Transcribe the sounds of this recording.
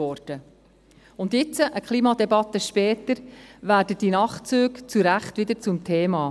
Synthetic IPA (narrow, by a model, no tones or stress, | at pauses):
ɔɾd̥ə | ʊnd̪jɪt͡səʔəkχlˠiːmɑd̪ɛbɑt̪ːəʃpɛːtəɾʋæːɾdəd̥inɑχt͡søːkt͡suɾæχt̪ʋɪd̪əɾt͡sʊmtʰeːmɑː